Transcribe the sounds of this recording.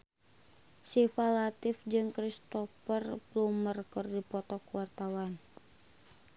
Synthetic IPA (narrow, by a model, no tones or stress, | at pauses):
sifalat̪ifd͡ʒɨŋkɾist̪ɔfərplumərkɨrdipɔt̪ɔkuwart̪awan